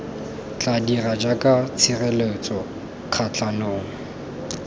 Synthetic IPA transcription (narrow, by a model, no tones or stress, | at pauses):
t͡ɬʼadirad͡ʒakʼat͡sʰɪrelet͡sʼɔ | q͡χʰat͡ɬʰanoːŋ̩